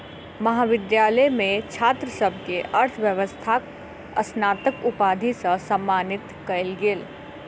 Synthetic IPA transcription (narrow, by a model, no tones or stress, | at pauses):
mɐɦaːʋɪd̪jaːləjmẽt͡ʃʰaːt̪ɾəsəbʱkeʔɐɾt̪ʰʋjəʋəst̪ʰak | ɐsnaːt̪əkʊpaːd̪ʱisəsəmːaːnɪt̪kɐɪlɡeːl